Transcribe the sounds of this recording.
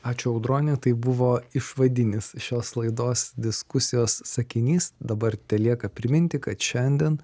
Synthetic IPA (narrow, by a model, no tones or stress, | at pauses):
ɑːt͡ʃʲʊɐʊd̪ɾoːnʲɪt̪ɐɪbʊʋoːɪʃʋɐd̪ʲɪnʲɪsʃʲoːslˠɐɪd̪oːsd̪ʲɪskʊsʲɪjoːsːɐkʲɪnʲiːsd̪ɐbɐɾt̪ʲɛlʲiɛkɐpʲɾʲɪmʲɪnʲt̪ʲɪkɐt̪ʃʲɛnʲd̪ʲɛn